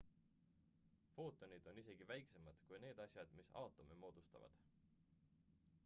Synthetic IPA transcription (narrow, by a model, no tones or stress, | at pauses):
fo̞ːt̪ːˑo̞nid̪̥o̞nise̞ɡ̥ivæjksemɑd̪̥kujne̞ːd̪ɑsʲjɑd̪̥misɑ̰wt̪ˑo̞mimo̞ːd̪̥ust̪ɑ̰vɑ̰d̪̥